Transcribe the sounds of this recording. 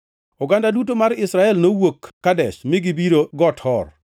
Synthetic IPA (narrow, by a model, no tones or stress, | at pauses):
ʊɡandadutomaɾɪsɾaɛlnowokːadɛʃmɪɡɪbiɾoɡɔthɔr